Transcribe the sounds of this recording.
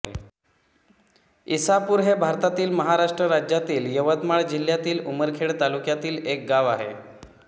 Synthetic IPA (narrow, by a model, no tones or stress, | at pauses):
isapuːɾɦebʱaɾt̪at̪iːlməɦaɾaʂʈɾəɾad͡ʑjat̪iːljəʋət̪maɭd͡ʑil̤ːjat̪iːluməɾkʰeɭt̪alukjat̪iːlek̚ɡaʋa̰ɦḛ